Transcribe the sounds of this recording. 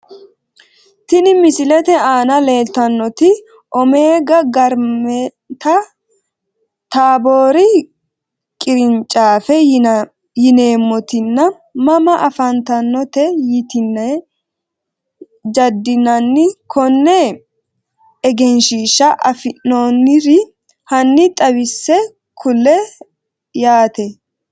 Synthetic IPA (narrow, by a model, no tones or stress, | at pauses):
t̪ɪnɪmɪsɪlɛt̪ɛaːnɐle̞ːlt̪ɐnːɔt̪ɪ | ʔɔme̞ːɡɐɡɐɾmɛ | t̪ɐ | t̪aːboːɾɪ | kʼɪɾɪnt͡ʃʼaːfɛ | jɪne̞ːmːɔt̪ɪnːɐ | mɐmɐʔɐfɐnt̪ɐnːɔt̪ɛjɪt̪ɪnːɛ | d͡ʒɐd̪ːɪnɐnːɪkʰɔnːɛ | ɛɡɛnʃiːʃɐʔɐfɪnːonːɪɾɪ | hɐnːɪt̪ʼɐbɪsːɛ | kʰʊlɛ | jaːt̪ɛ